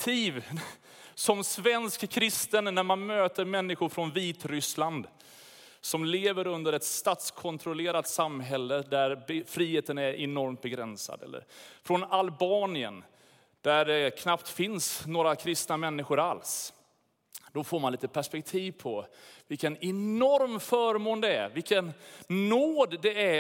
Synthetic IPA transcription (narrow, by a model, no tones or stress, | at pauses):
t̪ʰiːv | sɔmsvɛnskkʰːɾɪst̪ənːæɾmanmøːt̪əɾmɛnːɪɧʊɾfɾɔnviːt̪ɾʏsland̪ | sɔmleːvəɾɵnd̪əɾɛt̪st̪ɑːt̪skʰɔnt̪ʰɾʊleːɾat̪samːɦɛlːəd̪æɾbfɾiːheːt̪ənæɾʔɛnɔɾmt̪̚bɛɡɾɛnsa̰d̪ɛ̰lːə̰ɾfɾɔnalbɑːnɪə̰n | d̪̥æɖɛkʰnapt̪fɪnsnoːɾakʰɾɪst̪namɛnːɪɧʊɾals | d̪ɔfoːmanliːt̪əpʰæʂpɛk̚t̪ʰiːvpʰɔvɪlkənɛnɔɾmfœːɾmoːnd̪ɛæ̰ɾvɪlkənnːoːd̪ːɛæ